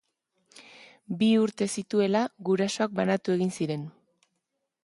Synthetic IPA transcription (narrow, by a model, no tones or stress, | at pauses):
biuɾt̪e̞sit̪ue̞laɣuɾaso̞ak̚banat̪ue̞ɣ̞insiɾe̞n